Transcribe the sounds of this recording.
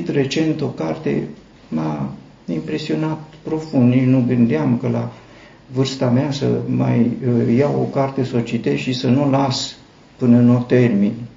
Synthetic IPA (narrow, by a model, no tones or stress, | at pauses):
t̪re̞t͡ʃe̞nt̪o̞kart̪e̞̰ | ma | impɾe̞sio̞nat̪̚pɾo̞fund̪niʃnuɡɨnd̪eamkəla | vɨrst̪ameasə̰ma̰jːawo̞̰kart̪e̞sot͡ʃit̪eʃisənulas | pɨnənot̪e̞rmin